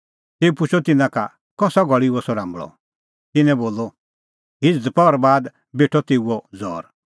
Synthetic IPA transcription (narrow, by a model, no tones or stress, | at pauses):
t̪eːupʊt͡ʃʰɔt̪ɪnãka | kɔsaɡʱɔɭiɔsɔɾãːmbɭɔ̰ | t̪ɪnɛ̃boːlɔ | ɦɪd͡zd̪pɔɾbaːd̪ | beːʈʰɔt̪eːuɔd͡zɔ̰ːɾ